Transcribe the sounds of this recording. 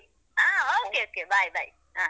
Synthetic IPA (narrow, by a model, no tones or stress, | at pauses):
aokeokebaibaḭ | a